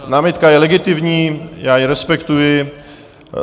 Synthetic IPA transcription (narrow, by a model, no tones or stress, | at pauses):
naːmɪt̪kajɛlɛɡɪt̪ɪvɲiːjaːjɪɾɛspɛkt̪ujɪ